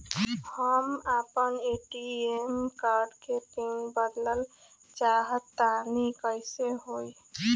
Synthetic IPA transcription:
həmapəneʈiemkaɾɖket̪iŋbəd̪ləl | t͡ʃaɦət̪ːanikəjseɦoj

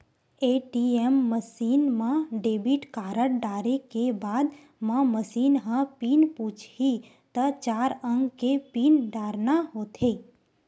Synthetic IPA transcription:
eːʈiemːəsiːnmãɖeːbiʈkaːɾəʈ̚ɖaːɾekebaːd̪ | mãməsiːnɦãpiːnput͡ʃʰi | t̪ət͡ʃaːɾə̃ŋɡkepiːnɖaːɾnaɦoːt̪ʰe

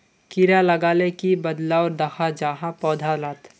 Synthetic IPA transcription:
kiɾalɐɡaːlekibɐd̪laɔːɾd̪ɐxʰad͡ʒaːɦapɔːd̪ʱalaːt̪

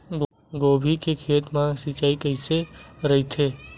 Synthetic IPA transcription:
ɡ | ɡoːbʱikekʰeːt̪mãsit͡ʃaːikəɪseɾɐɦit̪ʰeː

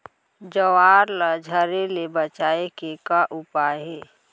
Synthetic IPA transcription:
d͡ʒəwaːɾlad͡ʒʱəɾelebət͡ʃaːekekaʔʊpaːjɦɛː

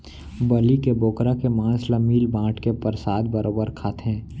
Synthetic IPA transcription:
bəlikeboːkɾakemãːsləmiːlbãːʈkepəɾsaːd̪̚bəɾʔoːbəɾkʰaːt̪ɦɛ̃ː

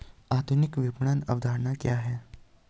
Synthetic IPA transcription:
aːd̪ʱʊnɪkʋɪpɳanɐ̰ʋd̪ʱaːɾnakjaːɦɛː

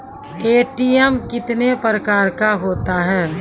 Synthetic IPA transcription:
eːʈiɛmkɪt̪nepɾəkaːɾkaɦoːt̪aɦɛː

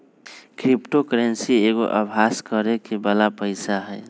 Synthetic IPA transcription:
kɾipʈokɾensieɡoʔəbʱaskəɾekibəlapəɪsaɦɛj

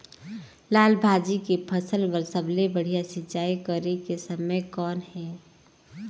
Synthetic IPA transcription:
laːlbʱaːd͡ʒikepʰəsəlʋəɾsəblebəɽ̤ijasɪt͡ʃaːikəɾekesəməjkɔːnɦɛː

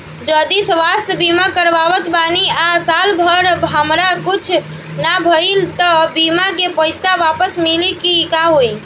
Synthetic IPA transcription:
d͡ʒəd̪isʋast̪bimakəɾʋaʋət̪baniasalbʱəɾɦəmɾakit͡ʃʰ | nabʱəjlt̪ɔbimakepəjsaʋapəsmilikikaɦoj

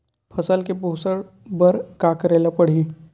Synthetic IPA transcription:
pʰəsəlkepuːsəɽ | bəɾkaːkɾeːlapəɽ̤iː

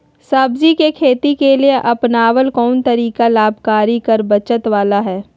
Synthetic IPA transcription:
saːbzikekʰeːt̪ikelieʔɐpnaːwəlkɔːnt̪ɐɾiːkalaːbʱkaːɾikɐɾbɐt͡ʃət̪ʋaːlaɦɛː

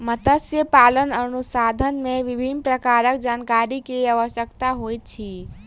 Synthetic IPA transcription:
mət̪əsjəpalənənusad̪ʱənmeʋibʱinpɾəkaɾək̚d͡ʒankaɾikeaʋəsjəkt̪aɦojt̪̚t͡ʃʰi

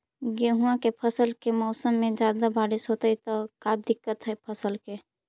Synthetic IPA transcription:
ɡeɦũãkepʰəsəlkemɔʊsəmːed͡ʒad̪abaɽisɦot̪əjt̪əkad̪ikːət̪ɦəjpʰəsəlke

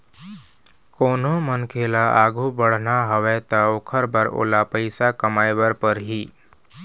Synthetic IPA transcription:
koːnomənkʰeːlaʔaːɡʱubəɽ̤naɦəʋɛt̪əokʰəɾbəɾo̰ːlapəɪsakəmajbəɾpəɾɦiː

